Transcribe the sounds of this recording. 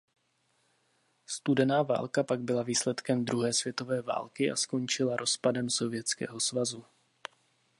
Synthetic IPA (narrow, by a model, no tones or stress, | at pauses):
st̪udɛnaːva̰ːlkapaɡ̚bɪlaviːslɛt̪kɛmd̪ɾuɦɛːsv̥jɛt̪o̞vɛːva̰ːlkɪʔa̰sko̞nt͡ʃɪlaɾʔo̞spadɛmso̞vɪjɛt͡skɛ̰ːɦo̞svazu